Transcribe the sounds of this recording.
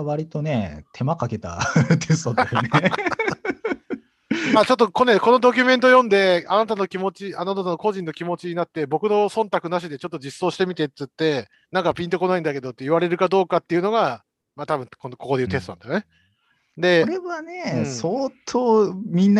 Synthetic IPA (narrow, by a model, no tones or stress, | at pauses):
βaɾʲit̪o̞ne̞t̪ʰe̞makake̞t̪a̰t̪ʰest̪ot̪ejne | mat͡ɕo̞t̪̬ːo̞ko̞neko̞no̞d̪o̞kʲɨmẽ̞nt̪ojõ̞nd̪e̞anat̪ano̞kʲimo̞t͡ɕianat̪ananoko̞ʑĩnːo̞kʲimo̞t͡ɕiɲinat̪ːe̞bo̞kɯ̟no̞sõ̞nt̪akɯ̟naɕ̬id̪e̞t͡ɕo̞t̪ːod͡ʑisːo̞ːɕi̥t̪emʲit̪e̞t̪t͡sːɨt̪ːe̞ | nãŋkapʲĩnt̪o̞ko̞naĩnd̪ake̞d̪o̞t̪ːeiβaɾe̞ɾɯ̟kad̪o̞ːkat̪ːe̞iɯ̟no̞ɡa | mat̪abɯ̟̃nkonoko̞koe̞jɯ̟t̪̬e̞st̪onã̰nd̪ajone̞ | d̪e̞ɾeβane̞soːt̪ʰoːmʲĩnː